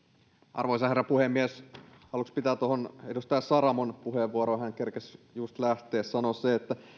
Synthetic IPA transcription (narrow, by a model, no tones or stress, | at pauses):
ʔɑ̰rʋoisɑherːæpuhemːieshɑlukspit̪æːt̪ohonedust̪ɑɑssɑɾɑmonpuheʋʋuoɾoːhæŋkerkesjust̪læht̪eːssɑnosseet̪ːæ